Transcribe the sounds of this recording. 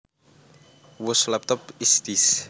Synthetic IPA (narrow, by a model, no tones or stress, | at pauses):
wʊslɛp̚t̪ɔpist̪is